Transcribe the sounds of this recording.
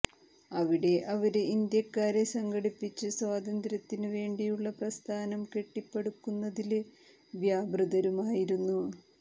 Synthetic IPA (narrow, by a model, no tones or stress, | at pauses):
ɐʋiɽe̞ʔɐʋɐɾeind̪jɐkːaːɾesɐŋɡɐɽipːit͡ɕːɨswaːd̪ɐnd̪ɾɐt̪ːinɨʋe̞ːɳɖijuɭːɐprɐst̪ʰaːnɐmke̞ʈːipːeɽukːunːɐðil | ʋjaːbrɨðɐɾumaːjiɾunːu